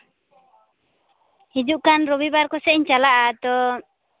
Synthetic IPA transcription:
hid͡ʒuʔkanɾɔbibaɾkɔsɛʔiɲt͡ʃalaʔad̪ɔ

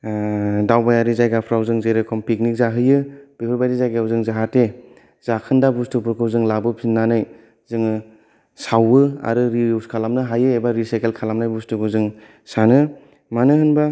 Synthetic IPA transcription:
dawbajaɾizajɡapʰɾawzɯŋzejɾɯkʰɔmpik̚nik̚zaɦɯjɯb̥ipʰɯɾbajɾizajɡaawzɯŋzaɦate | z̥akʰɯndabustupɯɾkʰɯwzɯŋlabɯpʰinːanɯj | zɯŋɯ | sawɯa̰ɾɯɾiskʰalamnɯɦajɯebaɾisajkelkʰalamnajbustukɯzɯŋ | sanɯ | manɯhɯnba

